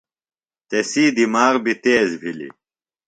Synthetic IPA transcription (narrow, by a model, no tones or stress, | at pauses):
t̪esiːd̪imaːʁbit̪eːzbʱilḭ